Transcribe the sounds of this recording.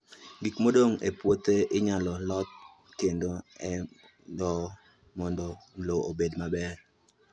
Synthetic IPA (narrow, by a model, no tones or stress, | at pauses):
ɡikmodoŋepwot̪eʔɪɲalɔlɔt̪̚ | kendoɛ | dɔ | mɔndɔloobedmabɛr